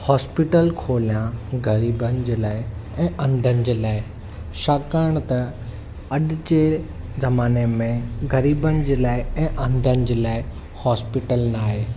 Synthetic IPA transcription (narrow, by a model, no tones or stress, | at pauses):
hɔːspiʈəlkʰoːlijãɡɐɾiːbənɪ̆d͡ʑeːlaːɪɛ̃ːʔɐ̃nd̪ʱənɪ̆d͡ʑeːlaːɪ | ʃaːkaːɪɽ̃t̪ɐ | ɐɗɪd͡ʑe | zɐmaːnemẽɡɐɾiːbənɪ̆d͡ʑeːlaːɪɛ̃ːʔɐ̃nd̪ʱənɪ̆d͡ʑeːlaːɪ | hɔːspɪʈəlnaːɦeː